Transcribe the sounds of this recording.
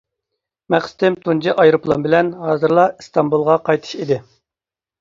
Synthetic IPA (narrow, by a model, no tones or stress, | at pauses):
mæqsɨ̥t̪ɪmt̪ʰund͡ʒiʔɑjɾuplˠɑnbɪlɛnɦɑːzɨɾlˠɑist̪ɑmbulˠʁɑqʰɑjt̪ʰɨ̥ʃid̪ɪ